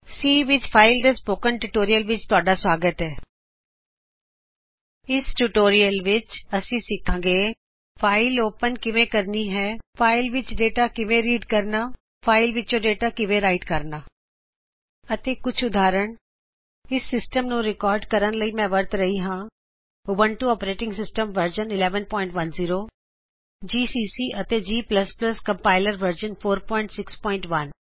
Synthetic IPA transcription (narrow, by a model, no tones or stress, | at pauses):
siːʋɪt͡ʃpʰaːɪld̪espoːkənʈuːʈoːɾijəlʋɪt͡ʃt̪ʊaːɖaːswaːɡət̪ɛː | ɪsʈuʈoːɾijəlʋɪt͡ʃəsĩːsɪkʰːãːɡeː | pʰaːɪloːpənkɪʋẽːkəɾniːɦɛːpʰaːɪlʋɪt͡ʃɖeːʈaːkɪʋẽːɾiːɖkəɾnaː | pʰaːɪlʋɪt͡ʃõːɖeːʈaːkɪʋẽːɾaːɪʈkəɾnaː | ət̪eːkʊt͡ʃʰʊd̪aːɾəɳ | ɪsːɪsʈəmnũːɾɪkɔːɾɖkəɾənləiːmɛ̃ːʋəɾt̪ɾəɦiːɦãː | ʊʋəɳʈuːɔːpɾeːʈɪ̃ŋɡsɪsʈəmʋəɾd͡ʒənɪlɛːʋənpɔːɪ̃ɳʈʋənziːɾoː | d͡ʒiːsiːsiːʔət̪eːd͡ʒiːpləspləskə̃mpaːɪləɾʋəɾd͡ʒənpʰoːɾpɔ̃ːɪɳʈsɪkspɔ̃ːɪ̃ɳʈʋən